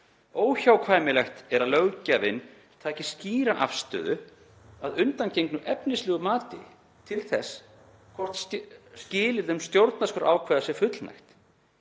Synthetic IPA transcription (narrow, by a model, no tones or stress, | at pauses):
oːwçawkʰvaːjmɪlɛxt̪ɛɾaðlœɣcavɪ̰n | t̪ʰaːcɪ̥sciːɾaʔafst̪œ̰ːðʏ | aðʏnt̪anceŋknʏʔɛpnɪslɛːɣʏmaːt̪ɪ̰ | t̪ʰɪlθɛs | kʰvɔr̥t̪sscɪːlɪðʏmst̪jowɾt̪naskœɾʔa̰ːwkʰvɛːðasjɛ̥fʏt̪lna̰jxt̪